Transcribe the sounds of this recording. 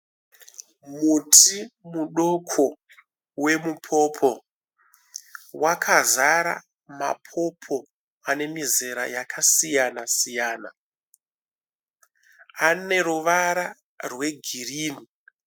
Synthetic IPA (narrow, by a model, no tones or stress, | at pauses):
mutʰimuɗo̞kʰo | we̞mupʰo̞pʰo̞ | wakʰazaɾa̰ | ma̰pʰo̞pʰo̞ | ane̞mize̞ɾa̰jakʰasijanasijaːna | ane̞ɾuʋaɾa | rwe̞ɡʱiriːni